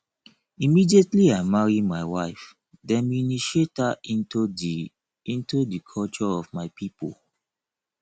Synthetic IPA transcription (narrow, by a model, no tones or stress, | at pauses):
imidietliaɪmaɹimaɪwaɪf | dɛ̃nminiʃetai | ĩntudikʰɔlt͡ʃɔɔvmaɪpipo̰l